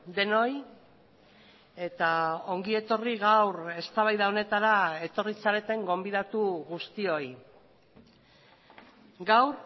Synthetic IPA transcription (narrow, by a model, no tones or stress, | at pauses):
d̪e̞no̞j | e̞t̪ao̞ŋɡie̞t̪o̞riɣawɾe̞st̪aβajðao̞ne̞t̪aɾae̞t̪o̞risaɾe̞t̪e̞ŋɡo̞mbiðat̪uɣust̪io̞j | ɡawɾ